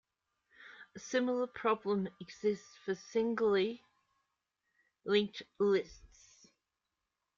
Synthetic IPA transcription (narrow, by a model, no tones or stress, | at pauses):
əsɪml̩ˠəpʰɹ̥ɒblə̃mɪɡz̥ɪstsfəsɪ̃ŋɡl̩ˠi | lɪ̃ŋklɪsts